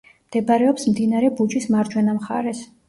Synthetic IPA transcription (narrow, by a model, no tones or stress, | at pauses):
md̪̥ɛbaɾɛɔpsmd̪inaɾɛbud͡ʒismaɾd͡ʒʰwɛnamχa̰ɾɛs